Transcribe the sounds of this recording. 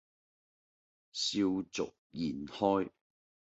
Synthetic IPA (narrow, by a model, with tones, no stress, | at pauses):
siː˧wt͡sʊ˨k̚jiː˨˩nhɔː˥j